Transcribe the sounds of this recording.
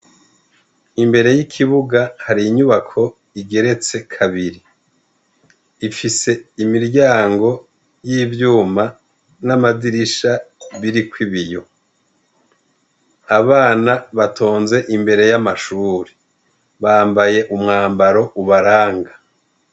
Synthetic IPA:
imbe̞ɾe̞jikʰiβuɡahaɾiɲuβakʰo̞ | iɡe̞ɾe̞t͡se̞kʰaβiɾi | ifise̞imiɾɟaːŋɡo̞ | jiːvjuːma | namadiɾiʃaβiɾikwiβijo̞ | aβaːnaβatʰo̞ːnze̞ʔimbe̞ɾe̞jamaʃuːɾi | βaːmbaje̞ʔumŋaːmbaɾo̞ʔuβaɾaːŋɡa

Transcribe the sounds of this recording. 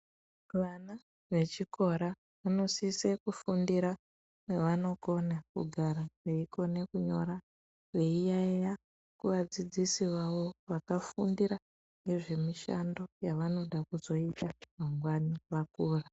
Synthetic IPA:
ʋana | ʋe̞t͡ʃikʰo̞ɾa | ʋano̞sisekufundiɾa | neʋano̞ko̞nakṵɡʱaɾaʋe̞ikʰo̞ne̞kuɲo̞̰ɾa | ʋe̞ijaeja | kuʋad͡zid͡zisiʋaʋo̞ʋakafundiɾa | ŋɡe̞ʐe̞miʃa̰ndo̞jaʋano̞ɗakuzo̞itamaŋɡwaniʋakuːra

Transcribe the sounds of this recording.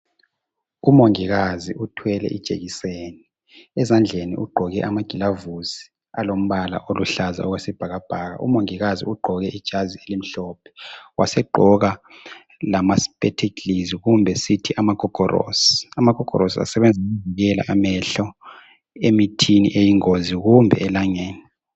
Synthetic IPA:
umoŋiɣaziʔutʰwɛlɛ̰ʔḭd̥ʒ̥ʱḛɣiseːni | ɛzand͡ɮʱenḭʔuɡ͡ǃʱɔɣɛʔamaɡ̥ʱilavusi̥ | alom̩βala̰ʔoluɬaza̰ɔɣwesɛb̥ʱaɣab̥ʱaːɣa̰umoŋiɣazḭuɡ͡ǃʱɔɣɛʔid̥ʒ̥ʱazielim̩ɬɔːpʰɛ̥wʔa̰sɛɡ͡ǃʱɔɣa | lamaspʼɛtʰekʰliziɣumbʱɛsitʰiʔamaɡ̥ʱɔɡ̥ʱɔɾo̰si̥amakɔkɔ̰ɾosia̰sɛβɛnd͡zʱaɣuviɣɛla̰ʔamɛɬɔ | emitʰinḭʔejiŋoziɣumbʱɛɛlaŋeːni

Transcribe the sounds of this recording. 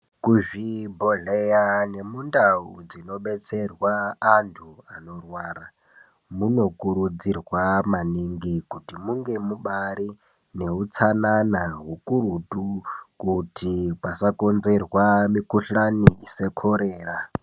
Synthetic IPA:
kuʒibʱoɮejane̞mundaud͡zino̞ɓet͡serwaːntʰuano̞rwaːɾa | muno̞kuɾud͡zirwamaniŋɡikutimuŋɡe̞muɓaɾi | ne̞ɦut͡sʰananaɦukuɾutukutʰipasakonzerwamikuɬanise̞kʰoɾeːra

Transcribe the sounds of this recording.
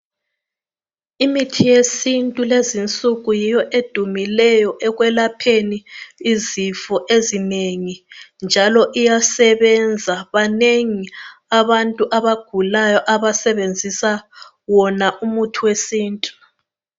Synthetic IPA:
imitʰijesintʼulezint͡sʼuɣujijɔʔed̥ʱumilɛjɔʔɛɣwɛlapʰeniːzifɔʔezineŋind͡ʒʱalɔʔijasɛβɛnd͡zʱaβaneŋiaβantʼuʔaβaɡ̥ʱulajɔʔaβasɛβend͡zʱisa | wɔnaʔumutʰuwesiːntʼu̥

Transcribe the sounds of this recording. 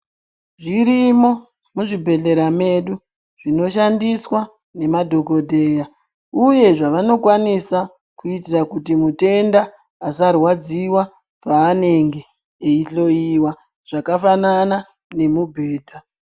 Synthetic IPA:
ʐiɾimo | muʐibʱe̞ɮe̞ɾame̞ɗu | ʐ̥ino̞ʃandiswa | ne̞madʱo̞ko̞dʱe̞ja | uje̞ʐaʋano̞kwanisa | kuitirakutimute̞ndaː | sarwad͡ziwa | paːne̞ŋɡe̞ː | iɬo̞iwa | ʐ̥akafanana | ne̞mubʱe̞ːdʱa

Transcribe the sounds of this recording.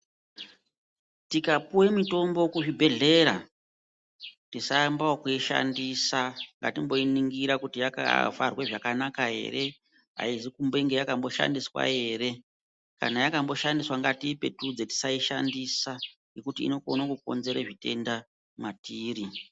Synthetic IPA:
tikapuwemito̞mbo̞kuʐibʱe̞ɮe̞ɾa | tisambaokuiʃa̰ndisaŋɡa̰timbo̞iniŋɡiɾakutijaka̰va̰rwe̞ʐakanakaɦe̞̰re̞ | ɦa̰isikumbe̞iŋɡe̞jakambo̞ʃa̰ndiswa̰ɦe̞re̞ | ka̰najakambo̞ʃandiswaŋɡatiːpe̞tud͡zeti̥saiʃa̰ndisaŋekutḭːno̞konakuko̞̰nze̞ɾeʐite̞nda | matiːɾi

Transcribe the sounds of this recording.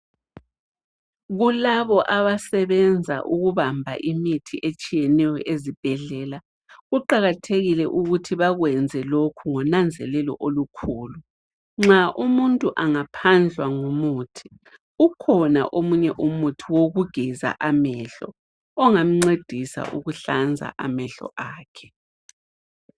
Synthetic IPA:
ɣulaβɔʔaβasɛβɛnd͡zʱa̰ʔuɣuβambʱa̰ʔimitʰiʔet͡ʃʼijɛnɛjɔʔezib̥ʱɛɮɛːla | ɣuǃaɣatʰeɣilɛʔuɣutʰiβaɣwɛnd͡zʱɛlokʰuŋɔnand͡zʱɛlɛlɔ̰ʔolukʰuːlu | ŋ͡ǁaʔumuntʼuʔaŋapʰand͡ɮʱwaŋumuːtʰi̥ | ukʰɔna̰ʔomuɲɛʔumutʰiwoɣuɡ̥ʱɛza̰ʔamɛɬɔ̰ | ɔŋam̩ŋ͡ǀed̥ʱisa̰ʔuɣuɬand͡zʱa̰ʔamɛɬɔ̰ʔaːkʰɛ̥

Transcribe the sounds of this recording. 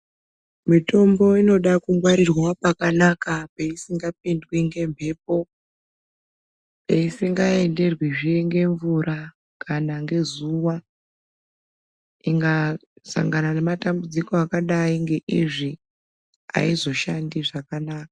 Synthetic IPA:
mito̞mbo̞ino̞ɗakuŋɡwaɾirwapakanakapeisiŋɡap̚indwiŋɡe̞mbʱe̞ːp̚o̞ | peisiŋɡae̞nde̞rwiʐiŋɡe̞ɱvuɾʔa | kanaŋɡe̞zuwa | iŋɡasa̰ŋɡanane̞matambud͡ziko̞akaɗaiŋɡe̞ʔiʐi | a̰izo̞ʃandiʐakanaːkḁ

